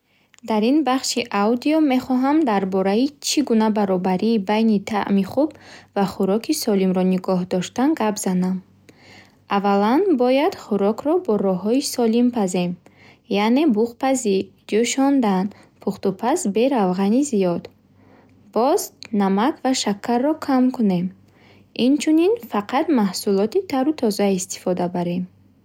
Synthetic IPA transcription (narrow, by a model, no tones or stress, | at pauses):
d̪aɾinbaχʃiʔawd̪iɔme̞χɔɦamd̪aɾbɔɾait͡ʃʰiɡunabaɾɔbaɾiːbajnit̪ʰa̰ʔmiχubvaχuɾɔkʰisɔlimɾɔniɡɔɦd̪ɔʃt̪anɡabz̥anam | avalanbɔjad̪̥χuɾɔkʰɾɔbɔɾɔɦɔisɔlimpʰaze̞m | jane̞buχpazi | d͡ʒuʃɔnd̪an | pʰuχt̪upʰasbe̞ɾavʁanizijɔd̪ | bɔznamakvaʃakʰːarːɔkʰamkʰune̞m | int͡ʃʰuninfaqʰat̪mahsulɔt̪it̪ʰaɾut̪ʰɔzaist̪i̥fɔd̪abaɾe̞m